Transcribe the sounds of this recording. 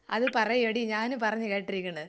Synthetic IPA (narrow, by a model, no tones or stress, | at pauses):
ɐ̰ðɨpɐrɐjeɽiɲaːnupɐrɐɲːɨkeːʈːiɾikʲːuɳɖɐð